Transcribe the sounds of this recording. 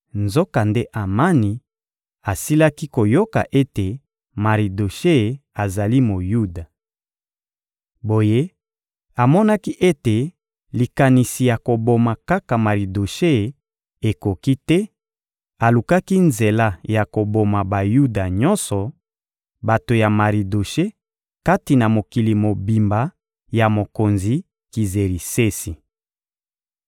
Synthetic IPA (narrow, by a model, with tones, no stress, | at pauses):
nzo˦ka˨nde˦ʔa˨ma˦ni˨ | a˨si˦la˦ki˦ko˨jo˦ka̰˨ʔe˦te˨ | ma˨ʁi˨do˨ʃe˦˨a˨za˨li˦mo˨ju˦da˨ | bo˨je˦ | a˨mɔ˦na˦ki˦ʔe˦te˨ | li˨ka˨ni˨si˨ja˨ko˨bo˨ma˨ka˦ka˨ma˨ʁi˨do˨ʃe˦˨ | e˨ko˨ki˦tɛ˦ | a˨lu˨ka˦ki˦nze˨la˦ja˨ko˨bo˨ma˨ba˨ju˦da˨ɲɔ˦nsɔ˨ | ba˨to˨ja˨ma˨ʁi˨do˨ʃe˦ | ka˦ti˨na˨mo˨ki˨li˨mo˨bi˨mba˨ | ja˨mo˨ko˨nzi˨ | ki˨ze˨ʁi˨se˦si˨